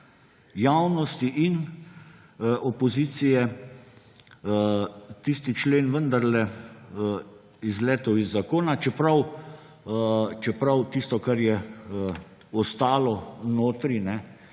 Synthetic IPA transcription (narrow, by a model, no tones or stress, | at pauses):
jawnɔst̪iʔin | ʔɔpɔziːt̪sijɛ | t̪ist̪it͡ʃleːnʋənd̪aɾlɛ | izlɛːt̪ɔwizːakoːnat͡ʃɛpɾaw | t͡ʃɛpɾawt̪ist̪ɔkaɾjɛ | ɔst̪aːlɔnoːt̪ɾinɛ